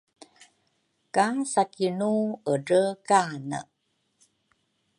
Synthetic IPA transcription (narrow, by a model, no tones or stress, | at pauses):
kasakinuəɾəkanə̰